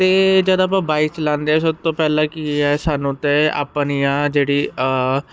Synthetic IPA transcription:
t̪eːd͡ʒəd̪aːp̬ãːbaːikt͡ʃlãːnd̪eɛːsəb̚t̪õːpɛːlãːkiɛːsaːnũːt̪ẽːa̰pnijãːd͡ʒeːɽiː

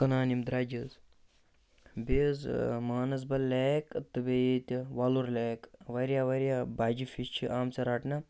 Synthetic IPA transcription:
kɐnaːnimd̪ɾaːd͡ʒɐz | beːzmaːnɐs̬bɐlʲeːkt̪ɨbejet̪ʲiʋɐluɾlʲeːkʋɐɾʲjaʋɐɾʲjabaːd͡ʒifist͡ʃʰiʔaːmt͡sɐɾaʈnɐ

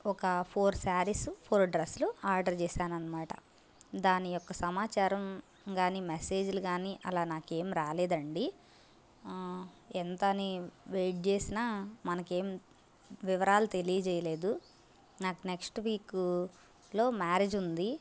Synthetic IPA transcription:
ɔkɐpʰoːɾsaːɾispʰoːɾɖɾɐsluaːɾɖɐɾt͡ʃɛːsaːnɐnːɐmaːʈɐ̰ | d̪aːnijɔkːɐsɐmaːt͡ʃaːɾɐm | ɡaːnimese̞ːd͡ʒuluɡaːniʔɐlaːnaːke̞ːmɾaːleːd̪ɐɳɖi | ɛnt̪ɐniʋeːʈ̚t͡ʃeːsinaːmɐnɐke̞ːm | ʋiʋɐɾaːlut̪e̞lijɐt͡ʃɛːjɐle̞ːd̪u | naːkuneksʈʋiːk | lo̞ːmaːɾeːd͡ʒund̪i

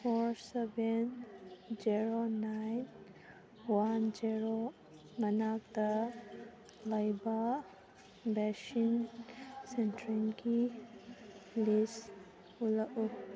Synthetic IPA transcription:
pʰoɾsebend͡ʒiɾonajn | wand͡ʒiɾo | mɐnak̚da | ləjba | bɛʃin | sentɾinki | lis | ulaʔu

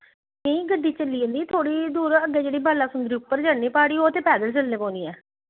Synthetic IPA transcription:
nẽːĩːɡəɖːiːt͡ʃəlːiːõːnd̪iːt̪ʰoːɽiːd̪uːɾəɡːeːd͡ʒeːɽiːbaːlaːsʊnd̪ɾiːʊpːəɾd͡ʒaːniːpaːɽiːoːt̪eːpɛːd̪əlt͡ʃəlːẽːpɔ̃ːnd̪iːɛː

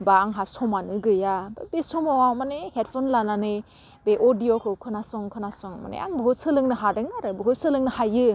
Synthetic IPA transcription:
baːŋɦasɔmanɯɡɯjabebesɔmɔmanehet̚pʰɔnlananɯj | beʔɔdijokʰɯkʰɯnasɔŋkʰɯnasɔŋma̰nḛʔa̰ŋbɯɦɯsɯlɯŋnɯɦadɯŋaɾɯbɯɦɯsɯlɯŋnɯhajɯ

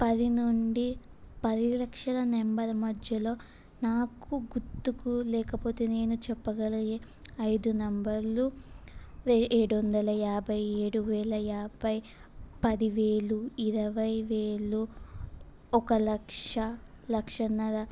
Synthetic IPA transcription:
pɐd̪inuɳɖi | pɐd̪ilɐkʂɐlɐnɛmbɐɾɐmɐdjɐlo̞ː | naːkuɡut̪ːukulɛːkɐpo̞ːt̪e̞ːne̞ːnut͡ʃɛpːɐɡɐliɡeɐjd̪unɐmbɐɾlu | eeːɽuʋɐnd̪ɐlɐjaːbʱɐjeːɽuʋɛːlɐjaːbʱɐj | pɐd̪iʋeːɭuiɾɐʋɐjʋeːɭu | ɔkɐlɐkʂɐ | lɐkʂɐnɐɾɐ

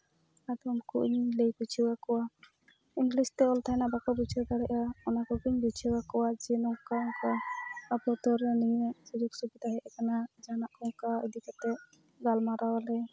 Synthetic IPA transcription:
ad̪ɔmkuʔɲilejbut͡ʃʰiwakɔwa | iŋɡlist̪ɛɔlt̪ʰajnabakɔbit͡ʃʰɔk̪aɾɛʔaɔnakɔɡiɲbit͡ʃʰiwakɔwad͡ʒɛnɔŋkaɔŋkaapɔt̪ɔɾɛnijɛsud͡ʒuksubid̪aɦɛʔɛkanad͡ʒanaʔkɔŋkaḭd̪ikat̪ɛ | ɡalmaɾawalɛ

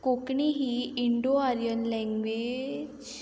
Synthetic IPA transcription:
kokɳiɦiɪɳɖoaɾijənlɛ̃ŋɡʋed͡ʒ

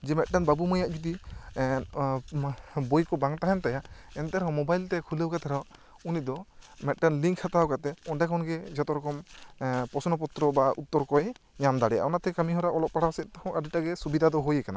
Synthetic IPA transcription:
d͡ʒɛmɛt̚ʈanbabumɔjaʔ̚d͡ʒɔd̪i | bojkɔbaŋt̪aɦɛnt̪ajaɛnt̪ɛɾɔ̃mɔbajlt̪ɛkʰulewkat̪ɛɾɔ | unid̪ɔmɛt̚ʈanliŋkʰːat̪awkat̪ɛɔnɖakʰɔnɡɛd͡ʒɛt̪ɔɾɔkɔmpɔsɔnɔp̬ɔt̪ɾɔbaʔut̪ːɔɾkɔjɲamd̪aɽɛa̰wnat̪ɛkamiɦɔɾaʔɔlɔk̚paɽaasɛt̪̚ˀt̪ɔkʰɔ̃adiʈaɡɛsubid̪ʱad̪ɔɦojɛkana

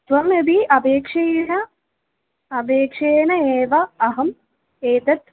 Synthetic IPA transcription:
t̪ʋɐmebiɐbeːkʂeːnɐ | ɐbeːkʂeːnɐeːʋɐːɦɐm | eːt̪ɐt̪̚

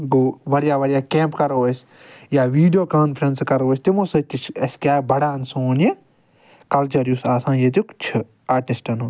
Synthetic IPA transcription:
ɡoʋɐɾijaːʋɐɾjaːkeːmpkɐɾoːɐsʲ | jaːʋiːɖijoːkaːnpʰɾɐnskɐɾoːsʲt̪imosɐt̪it͡ʃʰɐsʲkʲjaːbɐɽaːnsoːne | kɐlt͡ʃɐɾjusaːsãːjet̪̬ukt͡ʃʰɨ | aːʈisʈɐnu

